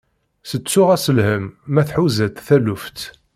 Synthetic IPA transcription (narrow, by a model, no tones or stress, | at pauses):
sət͡sːʊʁæsəlhəmːæθħuzæt̪θælʊft̪